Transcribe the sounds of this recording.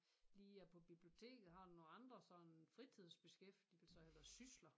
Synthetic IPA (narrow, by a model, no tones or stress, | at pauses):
liːæpʰɒ̽b̥ib̥lio̝t͡sʰe̝̰ːɡ̥ð̩ˠɦɑ̈dno̝ɑ̈nd̥ʁɐsɒfʁit͡sʰið̞̰ˠsb̥e̝sɡ̥efd̥il̩sɐæʋæɐsyslɐ